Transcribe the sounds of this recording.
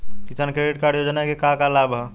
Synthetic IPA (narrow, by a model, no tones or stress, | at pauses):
kit͡ʃankɾeɖiʈkaɽjod͡ʒnaekekakalabɦə